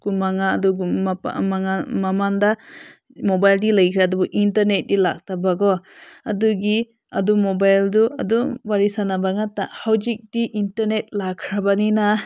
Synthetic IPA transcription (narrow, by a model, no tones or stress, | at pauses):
kumaŋadɔɡṵaŋamamanda | mobajldilajkʰɾadubɔʔintaɾnet̚dilak̚tabaɡɔɐduɡi | ɐdumobajlduɐ̰duwaɾisanabaŋatahawd͡ʒik̚diʔintaɾnet̚lakʰɾabanina